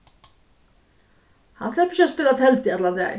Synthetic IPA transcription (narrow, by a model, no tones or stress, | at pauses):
hanslɛhpɾɪs̬ɪaspɪːlat̪ʰɛlt̪ɪɛt̪lant̪ɛ̰